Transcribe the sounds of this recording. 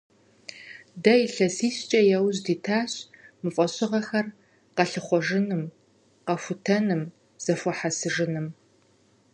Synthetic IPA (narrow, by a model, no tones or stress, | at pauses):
dɐjiɬɐsiːɕt͡ʃʼɐjɛwʑdiːtʰaːɕmɨfʼɐɕʼɪʁɐxɐr | qɐɬɨχʷɔʒɨnɨm | qɐfʷʊtʰɐnɨm | z̥ɐfʷɔħasɨʐɨnɨm